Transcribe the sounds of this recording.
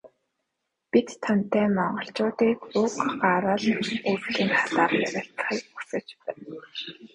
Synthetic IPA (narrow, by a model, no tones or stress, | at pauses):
pit̪ʰːan̥t̪æːmɔɴɢɞ̆ɬt͡ɕʊːt̪iːkʊkɢaɾə̆ɮurt̪iːŋχʰḁɮaːrmæɾʲɪ̆ɬt̪ə̥̆χiːkusə̆t͡ɕpæːn